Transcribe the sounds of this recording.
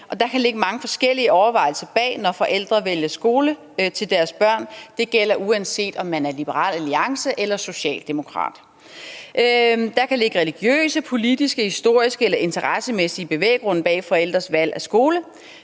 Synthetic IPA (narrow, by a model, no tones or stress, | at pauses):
ʔɒ̽d̥ɑ̈kʰæle̝ɡ̥əmɑ̈ŋəfɒ̽sɡ̥el̰iəɒʊɐʋɑ̈ɪl̩sɐb̥ɛ̰ːnɒfɒ̽ʔel̰d̥ʁɐʋeljɐsɡ̥o̝ːlə | t͡sʰe̝ld̥æɐsb̥ɶɐ̰nd̥e̝ɡ̥el̰ɐʔuænse̝̰ːd̥ɒ̽mːænæɐlib̥əʁɑ̰̈ːlæliɑ̈ŋsəʔelɐso̝ɕɛ̰ːld̥e̝mo̝kʰʁɑ̰̈ːd̥ | d̥ɑ̈kʰæle̝ɡ̥əʁɛliɡ̥jø̰ːsəpʰo̝lid̥isɡ̥əhisd̥o̝ɐ̰isɡ̥əelɐʔe̝nt͡sʰɐʁɑsəmesiəb̥e̝ʋḛːɡ̥ʁɔ̽n̰̩b̥ɛ̰ːfɒ̽el̰d̥ʁɐsʋæl̰æsɡ̥o̝ːlə